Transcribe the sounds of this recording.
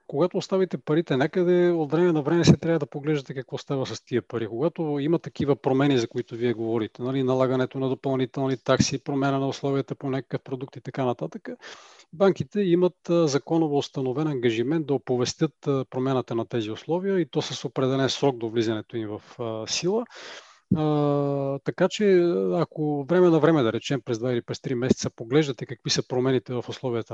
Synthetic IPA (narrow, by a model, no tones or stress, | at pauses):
koɡat̪oːst̪avit̪ɛpɐɾit̪ɛnɛkəd̪ɛot̪vɾɛmɛnɐvɾɛmɛsɛt̪ɾjavɐd̪ɐpoɡlɛʒd̪ət̪ɛkɐkvɔst̪avʲəsɐst̪iəpɐɾikoɡat̪oimɐt̪ːɐk̟ivəpɾomɛnizɐkoit̪oviɛɡovɔɾit̪ɛnɐlinɐlˠaɡɐnɛt̪onɐd̪opɐlˠnit̪ɛlˠnit̪aksiːpɾomanənɐoslˠɔviət̪əponɛkə̥kəfpɾod̪ukt̪it̪ɐkanɐt̪at̪əkəbaŋk̟it̪ɛimɐt̪zɐkɔnovoːst̪ɐnovɛnɐŋɡɐʒimɛnt̪d̪ɐopovɛst̪ɤt̪pɾomʲanət̪ənɐt̪ɛziʊslˠɔvijəit̪ɔsəsopɾɛd̪ɛlɛnsɾɔɡ̚d̪ovlizɐnɛt̪oimvɐfsilˠə | t̪ɐkat͡ʃɛɐkovɾɛmɛnɐvɾɛmɛd̪ɐɾɛt͡ʃɛmpɾɛzd̪vailipɾɛst̪ɾimɛsɛ̥t̪sɐpoɡlɛʒd̪ɐt̪ɛkɐkvisəpɾomɛnit̪ɛvɐfʊslˠɔvijət̪ə